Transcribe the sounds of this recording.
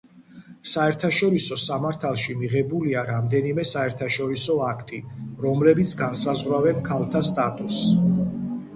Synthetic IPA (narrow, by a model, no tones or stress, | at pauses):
saɛɾt̪ʰaʃɔɾisɔsamaɾt̪ʰalˠʃimiʁɛbuliaɾamd̪ɛnimɛsaɛɾt̪ʰaʃɔɾisɔakʰt̪ʼiɾɔmlɛbit̪sʰɡansazʁwɾavɛnkʰalˠt̪ʰast̪ʼat̪ʼus